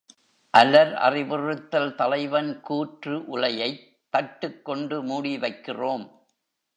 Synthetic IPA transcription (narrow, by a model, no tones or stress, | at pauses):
ʔɐlɐɾʔɐ̰rɪʋɯrɯt̪ːɐlt̪ɐlɐɪʋɐnkuːʈrɯʔʊlɐjɐɪt̪ːɐʈːɯkːɔɳɖɯmuːɽiʋɐɪkːɪroːm